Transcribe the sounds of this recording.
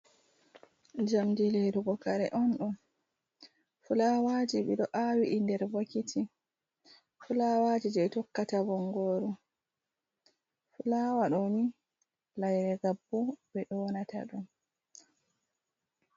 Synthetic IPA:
d͡ʒamdilɛduɡɔkaɾɛ̰ʔɔnɗɔm | fulawaːd͡ʒiɓɛ̰ɗɔʔawiʔindɛɾwakitʰi | fulawaːd͡ʒid͡ʒɛɛtɔkːatabɔŋːɡɔːɾu | fulaːwaɗɔni | lajɾɛɡabːubɛɗɔnata̰ɗum

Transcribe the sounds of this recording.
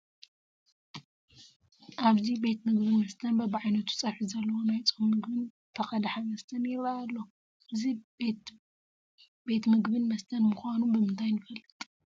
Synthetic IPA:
ʔaβzibe̞t̪mɨɡbɨnmɐst̪ʰɐnbɐbɨʕajnɐt̪ʰu̥t͡sʼɐβħizɐlːɐwonajt͡sʼomːɨɡbɨn | t̪ʰɐxʼɐd̪aħamɐst̪ʰɐnjɪβaːlːo̞ | ɨzi | be̞t̪mɨɡbɨnmɐst̪ʰɐnmuxanubɨmɨnt̪ʰajnɨfɐlːɨt̪ʼ

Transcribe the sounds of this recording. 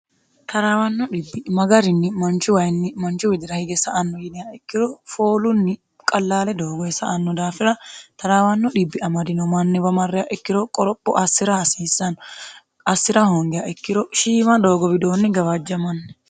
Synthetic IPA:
t̪ʰɐɾaːwɐnːɔᶑɪbːɪmɐɡɐɾɪnːɪmɐnt͡ʃʊwɐjnːɪmɐnt͡ʃʊwɪd̪ɪɾɐhɪɡɛsɐʔɐnːɔjɪnɪjaɛkːɪdɔfoːlʊnːɪ | kʼɐlːaːlɛd̪o̞ːɡɔɛsɐʔɐnːɔd̪aːfɪɾɐt̪ɐɾaːwɐnːɔɗɪbːɪɐmɐd̪ɪnɔmɐnːɪbɐmɐrːɪjaʔɛkːɪd̪ɔkʼɔɾɔpːɔ̰ʔɐsːɪɾaɐsiːsːɐnɔ | ɐsːɪɾahɔŋɡɛjaʔɛkːɪdɔʃiːmɐd̪o̞ːɡɔbɪd̪o̞ːnːɪɡɐwɐd͡ʒːɐmɐnːɛ

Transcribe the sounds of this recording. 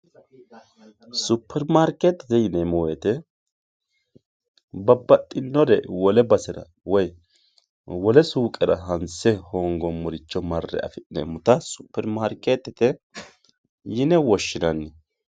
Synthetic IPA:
sʊpʰːɛɾmaːɾket̪ːɛt̪ɛjɪnɛmɔwɛt̪ɛ | bɐbːɐt̪ʼːɪnːɔɾɛ̰wɔlɛbɐsɛɾɐ̰ | wɔj | wɔlɛsuːkʼɛɾɐɦɐnsɛhoːŋɡɔmʊɾɪt͡ʃːɔmɐrːɛ̰ɐ̰fɪnɛ̰mʊt̪ɐsʊ̥pːɛɾmaːɾket̪ːɛt̪ɛ | jɪnɛwɔʃːɪnɐnːɛ

